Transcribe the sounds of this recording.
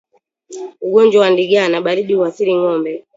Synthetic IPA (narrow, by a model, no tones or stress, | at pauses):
uɡɔnd͡ʒwawandiɡanaɓaliɗiuwasiɾiŋɔmbɛ